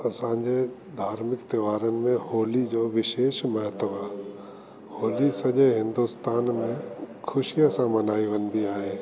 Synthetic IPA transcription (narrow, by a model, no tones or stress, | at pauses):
ɐsãːɲd͡ʑe | d̪ʱaːɾmɪkt̪eʋaːɾənɪ̆mẽhoːlid͡ʒoːʋɪʃeːʃməɦət̪əʋaː | hoːlisɐd͡ʒeɦɪ̃nd̪ust̪aːnmẽkʰʊʃijasãmɐnaːiʋənbʱiaːɦeː